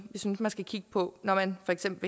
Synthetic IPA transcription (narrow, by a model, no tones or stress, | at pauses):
ʋisynsmænsɡ̥ækʰiɡ̥əpʰɒ̽nɒmænfɒ̽eɡ̥sem̰b̥l̩ʋ